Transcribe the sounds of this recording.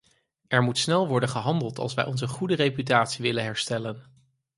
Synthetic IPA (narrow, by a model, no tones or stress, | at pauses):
ɛɹmutsnɛlˠʋɔɹdənχəɦɑndəlˠtɑ̰lˠsʋɛ̰jʔɔnzəχudərejpytaːtsiʋɪlənɦɛɹstɛlən